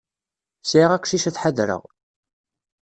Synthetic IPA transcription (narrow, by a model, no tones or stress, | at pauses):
sʕiʁækʷʃiʃæθħaðɾə̰ʁ